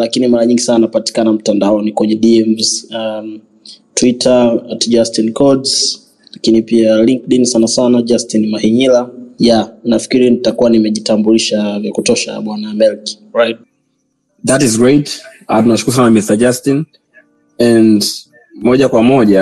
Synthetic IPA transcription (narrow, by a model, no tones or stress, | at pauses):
lakinimaɾaɲiŋɡisananapati̥kanam̩tandaɔnikwɛɲɛɗiɛmza | twitʰatd͡ʒastinkʰɔdz | lakinipialiŋk̚ɗinsanasanad͡ʒastinmahiɲilajanafi̥kiɾinitakuwanimɛʄitambuliʃavjakutɔʃa̰ɓwanamɛlki̥ | ɹajt̚ | ðatizɡɹejtatunaʃukuɾusanamistad͡ʒastin | ɛnd | mɔʄakwamɔʄa